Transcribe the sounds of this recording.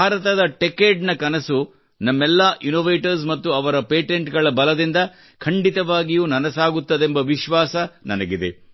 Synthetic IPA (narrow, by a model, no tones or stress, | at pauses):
bʱaːɾɐt̪ɐd̪ɐʈekeːɖnɐkɐnɐsu | nɐmːɛlːaːʔinoːʋeːʈɐɾs̬mɐt̪ːuɐʋɐɾɐpeːʈeɳʈɡɐɭɐbɐlɐd̪ind̪ɐ | kʰɐɳɖit̪ɐʋaːɡijuːnɐnɐsaːɡut̪ːɐd̪embɐʋiʃʋaːsɐnɐ̰nɐɡid̪e̞̰